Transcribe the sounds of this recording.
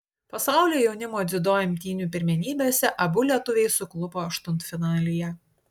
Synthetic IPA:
pɐsɑˑʊlʲoːjɛʊnʲɪmoːd̪zʲɪd̪oːjɪmʲt̪ʲiːnʲuːpʲɪɾʲmʲɛnʲiːbʲeːsʲɛʔɐbʊlʲiɛt̪ʊʋʲɛɪsʊklˠʊpoːɐʃt̪ʊnt̪fʲɪnɑːlʲɪjɛ

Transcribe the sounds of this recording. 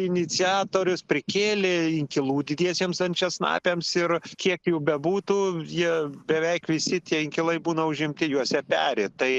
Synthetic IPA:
ɪnʲɪt͡sʲɪɑːt̪oːɾʲʊspʲɾʲɪkʲeːlʲeɪŋʲkʲɪlˠuːd̪ʲɪd̪ʲiɛsʲeːmsɐnʲt͡ʃʲɛsnɑ̰ːpʲeːmsɪrkʲiɛkjɛʊbʲɛbuːt̪uːjiɛbʲɛʋʲɛɪkʋʲɪsʲɪt̪ʲiɛɪŋʲkʲɪlˠɐɪbuːnɐʊʒʲɪmʲt̪ʲɪjuɔsʲɛpʲæːɾʲet̪ɐɪ

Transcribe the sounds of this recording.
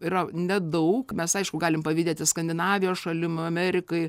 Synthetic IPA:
ɪrɐnʲɛd̪ɐʊkmʲɛsɐɪʃkʊɡɑːlʲɪmpɐʋʲiːd̪ʲeːt̪ʲɪskɐnʲd̪ʲɪnɑːʋʲɪjoːsʃɐlʲɪmɐmʲæːɾʲɪkɐɪ

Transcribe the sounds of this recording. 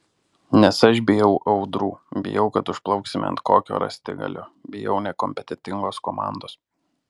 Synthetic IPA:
nʲɛsɐʃ̬bʲɪjɛʊʔɐʊd̪ɾuːbʲɪ̰jɛʊkɐt̪ʊʃplˠɒʊksʲɪm̰ʲɐ̰nt̪̚koːkʲo̰ːɾɐ̰sʲt̪ʲɪ̰ɡɐ̰lʲʊbʲɪjɛʊnʲɛkɔmʲpʲɛt̪ʲɛt̪ʲɪŋɡoːskomɑ̰ˑnd̪oːs

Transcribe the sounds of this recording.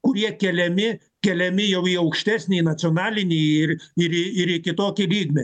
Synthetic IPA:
kʊɾʲiɛkʲɛlʲɛmʲɪ | kʲɛlʲɛmʲɪjɛʊiɐʊkʃʲt̪ʲæːsʲnʲeːnɐt͡s̪ʲonɑːlʲɪnʲeːɪɾɪɾɪɪɾɪkʲɪt̪oːkʲɪlʲiːɡnʲe

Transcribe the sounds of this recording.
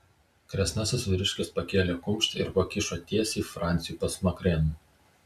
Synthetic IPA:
kɾʲɛsʲnɑsʲɪsʋʲɪɾʲɪʃʲkʲɪspɐkʲeːlʲeːkʊmʲˑʃʲt̪ʲɪɾpɐkʲɪʃoːt̪ʲiɛsiːfɾɑˑnʲt̪sʲɪjuːpɐsmɐkɾʲɛnuː

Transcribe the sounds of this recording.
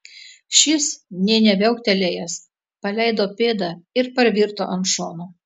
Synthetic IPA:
ʃʲɪsnʲɛːnʲɛʋʲɛʊkt̪ʲɛlʲejɛs | pɐlʲɛɪd̪oːpʲeːd̪ɑɪɾpɐɾʋʲiɾt̪o̰ːʔɐnʃoːno

